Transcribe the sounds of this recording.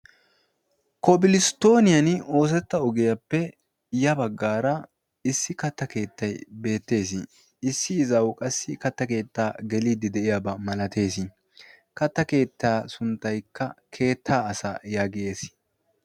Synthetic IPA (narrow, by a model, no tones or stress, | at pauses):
kɔbɪlɪst̪o̞ːnɪjɐno̞ːs̬ɛt̪ːɐɔɡɛjɐpːɛ | jɐbɐɡːaːɾɐ | ɪsːɪkɐt̪ːɐke̞ːt̪ːɐjbe̞ːt̪ːe̞ːs̬ɪ | ɪsːɪːzɐwkʼɐsːɪkɐt̪ːɐke̞ːt̪ːaːɡɛliːd̪ːɪd̪ɛʔɪjabɐmɐlɐt̪e̞ːs̬ɪ | kɐt̪ːɐke̞ːt̪ːaːsʊnt̪ːɐjkːɐkʰe̞ːt̪ʰːaːsa̰jaːɡɪje̞ːs